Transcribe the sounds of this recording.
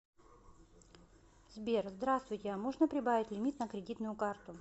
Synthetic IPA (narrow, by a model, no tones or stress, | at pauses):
zbʲerzd̪ɾast̪vʊjtʲɪamoʐnəpɾʲɪbavʲɪtʲlʲɪmʲit̪nəkɾʲɪdʲit̪nʊjʊkart̪ʊ